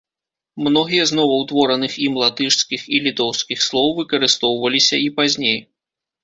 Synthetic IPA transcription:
mnɔɣʲijɐznɔvɐwt̪vɔɾɐnɨximlˠat̪ɨʂskʲixilʲit̪ɔwskʲixslˠɔwvɨkɐɾɨst̪ɔwvɐlʲisʲɐipazʲnʲej

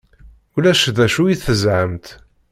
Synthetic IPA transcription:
ulæʃðæʃujiθəzʕəmt̪

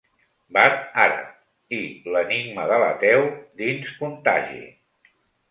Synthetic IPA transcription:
baɾaɾə̰ | iləniɡ̚məðələt̪ɛwd̪inskunt̪aʒḭ

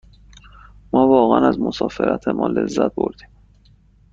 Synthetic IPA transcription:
mɒːvɒːɣænæzmosɒːfeɾʔæt̪ʰemɒ̰ːle̞zːæt̪̚boɾd̪iːm

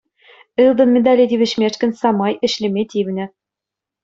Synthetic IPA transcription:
ɘlˠd̪ɤ̆nmʲĕd̪ɑlʲed̪ʲiβʲɘ̆ɕmʲeʂkʲɘ̆nʲsɑmɑjɘ̆ɕlʲɘ̆mʲet̪ʲiβʲnʲɘ̆

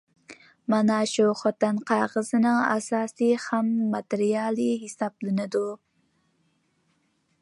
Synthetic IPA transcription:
mɑnɑʃuχɑt̪ɨnqʰɑʁəzɨnɨŋɑ̰sɑːsihæmːɑt̪ɪɾijɑːlˠiɦɪsɑplɨnɪd̪u

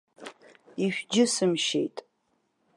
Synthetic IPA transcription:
iʃᶣd͡ʒɪsɨmʃḛjtʼ

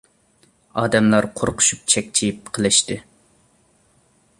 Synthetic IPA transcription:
ɑːd̪ɛmlˠɑɾqʰoɾqʰʊ̥ʃu̥p̚t͡ʃʰɛkʲt͡ʃʰijip̚qʰəlˠɪʃt̪ɨ

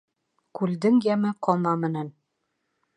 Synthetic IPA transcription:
kʉld̪ɘŋjæmɘqɒlˠmɑmɘ̆næn

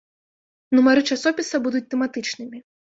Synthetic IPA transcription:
numaɾɨt͡ʂasɔpʲisɐbud̪ut͡sʲt̪ɛmat̪ɨt͡ʂnɨmʲi

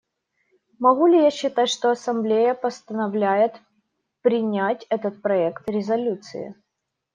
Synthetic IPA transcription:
mɐɣulʲɪjaɕːɪt̪atʲʂt̪oɐsɐmblʲejəpəst̪ənɐvlʲæjɪt̪ | pɾʲɪnʲætʲɛt̪ət̪̚pɾɐɛkt̪ɾʲɪzɐlʲut̪sɨ̰ɪ̰

